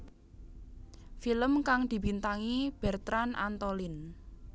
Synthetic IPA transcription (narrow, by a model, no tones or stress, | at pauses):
filəmkaŋd̪̥i̤bint̪aŋib̥ɛ̤rt̪ɾana̰nt̪olɪn